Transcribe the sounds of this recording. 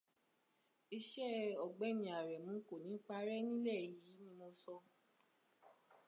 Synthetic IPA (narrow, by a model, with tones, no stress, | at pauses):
i˧ʃɛ˦˨ɔ˨ɡ͡bɛ˦nĩ˨a˨ɾɛ˨mũ˨˦ko˨nĩ˨˦k͡pa˧˦ɾɛ˦nĩ˦lɛ˦˨ji˨˦nĩ˧mo˧sɔ˧